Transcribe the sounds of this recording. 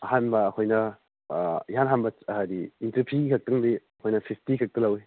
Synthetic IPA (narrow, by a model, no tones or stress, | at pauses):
ɐhanbɐːkʰojnɐ | iɦanɦanbɐt͡ʃɐɦadiːntɐɾpʰiɡikʰɐk̚tɐŋdiɐkʰojnɐpʰipʰtikʰɐk̚tɐlɐwi